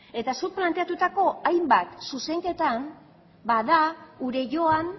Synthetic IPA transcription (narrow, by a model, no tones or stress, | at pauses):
e̞t̪asuɾplant̪e̞at̪ut̪ako̞ajmbat̪suse̞ŋke̞t̪am | baðauɾe̞ʝo̞an